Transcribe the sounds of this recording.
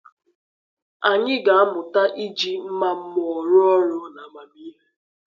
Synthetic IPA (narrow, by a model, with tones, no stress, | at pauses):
a˨ɲɪ˦ɡa˨a˦mʊ˨ta˦ʔi˦d͡ʒi˦m̩˦ma˦m̩˦mɔ˨ɔ˨ɾʊ˦ɔ˦ɾʊ˦na˨a˨ma˨miː˦ɦe˦